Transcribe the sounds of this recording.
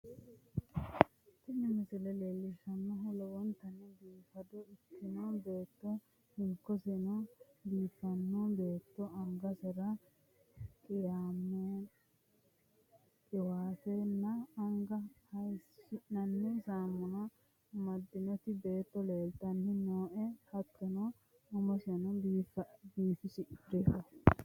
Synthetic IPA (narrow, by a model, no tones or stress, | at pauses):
t̪ɪnɛmɪsɪlɛleːlːɪʃɐnːɐɦɔlɔwɔnt̪ːɐnːɛɡ̪iːfɐd̪ɔɪkːɪnɔbeːt̪ːɔ | hɪŋkːɔsɛnɔɡiːfɐnːɔbeːt̪ːɔɐŋɡɐsɛɾɐ | kʼɪjaːmːɛ | kʼɪwaːfɛnːɐːŋɡɐhɐjsɪʔnɐnːɛsaːmːɔnɐ | mɐd̪ːɪnɔt̪ɪbe̞ːt̪ːɔle̞ːlt̪ːɐnːɪnoːʔɛhɐt̪ːɛnɔ | ʊmɐsɪnɔbiːfbiːfɪsɪʔɪpɾekːɔ